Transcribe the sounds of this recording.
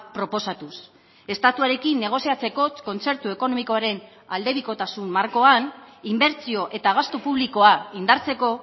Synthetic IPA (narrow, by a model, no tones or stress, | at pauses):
pɾo̞po̞sat̪us | e̞st̪at̪uaɾe̞kinːe̞ɣ̞o̞siat͡se̞ko̞ko̞nt͡se̞ɾt̪ue̞ko̞no̞miko̞aɾe̞n | ald̪e̞βiko̞t̪asumːaɾko̞animbe̞ɾt͡sio̞ʔe̞t̪aːɣ̞ast̪opuβliko̞aind̪aɾt͡se̞ko̞